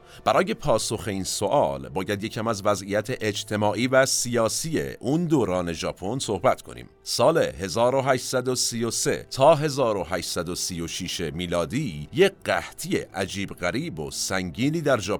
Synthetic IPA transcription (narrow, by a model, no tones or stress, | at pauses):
b̥æɾɒːje̞pʰɒːso̞xe̞iːnso̞ʔɒːlbɒːjæd̪je̞cʰæmæzvæzʔijæt̪ʰeʔed͡ʒt̪ʰe̞mɒːʔiːvæsijɒːsiːjḛʔund̪oːɾɒːne̞ʒɒːpʰo̞nso̞hbæt̪kʰo̞̰nḭːm | sɒːle̞he̞zɒːɾo̞ɦæːʃt̪sæd̪o̞siːjo̞se̞̰t̪ʰɒːɦe̞zɒːɾo̞ɦæːʃsæd̪osiːjo̞ʃiːʃemiːlɒːd̪iːjeɢæht̪ʰijḛʔæd͡ʒiːbɣæɾiːbo̞̰sæŋɟiːniːd̪æɾʒɒːp